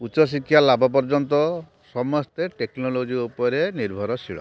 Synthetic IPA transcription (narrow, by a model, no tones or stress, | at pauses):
ut͡ʃɔs̬ikʰːjalabɔp̬ɔɾd͡ʒɔnt̪ɔ | sɔmɔst̪eʈeknɔlod͡ʒiupɔɾeniɾbʱɔɾɔsʰiɭɔ̰